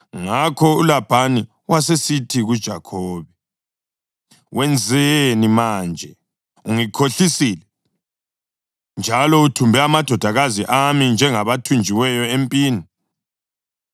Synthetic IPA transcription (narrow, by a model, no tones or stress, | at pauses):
ŋakʰɔulab̥ʱani | wasesitʰiɣud̥ʒ̥ʱa̰kʰoːβɛ | wɛnd͡zʱenimand͡ʒʱɛ | uŋikʰoɬisilɛ | nd͡ʒʱalɔutʰumbʱɛamad̥ʱɔd̥ʱaɣaziʔamind͡ʒʱɛŋaβatʰund͡ʒʱiwɛjɔempʼiːni